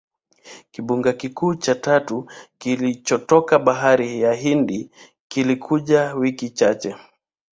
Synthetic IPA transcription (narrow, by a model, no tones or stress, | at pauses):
kiɓuŋɡakikuːt͡ʃatatukilit͡ʃɔtɔkaɓaɦaɾijaɦindi | kilikʰuʄawikit͡ʃat͡ʃɛ